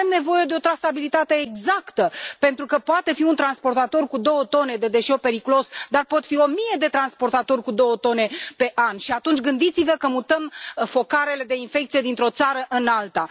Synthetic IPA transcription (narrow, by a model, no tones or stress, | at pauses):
emne̞vo̞je̞d̪e̞o̞t̪ɾasabilit̪at̪e̞ːɡzakt̪əpe̞nt̪ɾukəpoat̪e̞fiunt̪ɾanspo̞rt̪at̪o̞rkud̪o̞wət̪o̞ne̞d̪e̞d̪e̞ʃeowpe̞ɾikulo̞sd̪arpo̞t̪fio̞mije̞d̪e̞t̪ɾanspo̞rt̪at̪o̞rʲkud̪o̞wət̪o̞ne̞pe̞ʔanʃiat̪unt͡ʃʲɡɨnd̪it̪sivəkəmut̪əmfo̞kaɾe̞le̞d̪e̞infek̚t̪sije̞d̪int̪ɾo̞t̪saɾəʔɨnalt̪a